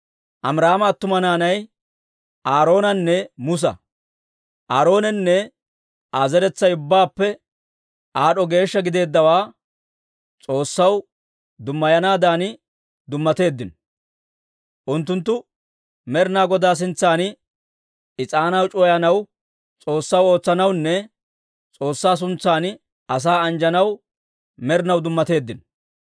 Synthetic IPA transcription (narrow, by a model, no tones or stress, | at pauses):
ʔɐmɾaːmɐːt̪ːʊmɐnaːnɐj | ʔaːɾo̞ːnɐnːɛmʊs̬ɐ̰ | ʔaːɾo̞ːnɛnːɛ | aːzɛɾɛt͡sːɐjʊbːaːpːɛ | ʔaːɗɔɡe̞ːʃːɐɡɪd̪e̞ːd̪ːɐwaː | t͡sʼo̞ːsːɐw | d̪ʊmːɐjɐnaːd̪aːnɪ | d̪ʊmːɐt̪e̞ːd̪ːɪn | ʔʊnt̪ːʊnt̪̬ːʊ | mɛɾɪnaːɡɔd̪aːs̬ɪnt͡sːaːn | ɪt͡sʼaːnɐwt͡ʃʼɔjɐnɐw | t͡sʼo̞ːsːɐwo̞ːt͡sːɐnɐwnːɛ | t͡sʼo̞ːsːaːs̬ʊnt͡sːaːn | ɐs̬aːɐnd͡ʒɐnɐw | mɛɾɪnɐwd̪ʊmːɐt̪e̞ːd̪ːɪn